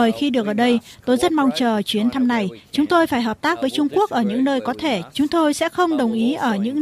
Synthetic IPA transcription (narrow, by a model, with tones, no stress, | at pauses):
əː˨˩jxi˧ɗɨ˨˩ək̚ʔəː˧˩ɗə˧jt̪o˧jzə˦˥t̚ma˧wŋ͡mt͡ɕəː˨˩t͡ɕwi˨˦ənt̪ʰa˧mna˨˩jt͡ɕʊ˨˦ŋ͡mt̪o˧jfaː˧˩jɦəː˨˩p̚t̪aː˦˥k̚vəː˨˦jt͡ɕʊ˧ŋ͡mku˦˥ək̚ʔəː˧˩ɲɨ̰˧˥ŋnəː˧jkɔ˨˦t̪ʰe˧˩t͡ɕʊ˨˦ŋ͡mt̪o˧jsɛ̰˧˥xə˧wŋ͡mɗə˨˩wŋ͡mʔi˨˦ʔəː˧˩ɲɨ̰˧˥ŋ